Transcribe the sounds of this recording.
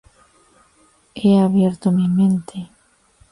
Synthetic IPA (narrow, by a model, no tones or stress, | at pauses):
eaβjeɾt̪omimẽnt̪ʰe